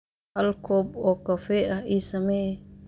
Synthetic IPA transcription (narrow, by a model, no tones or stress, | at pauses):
ɐlkʰɔːbɔːkɐfɛːʔɐhiːsɐmɛj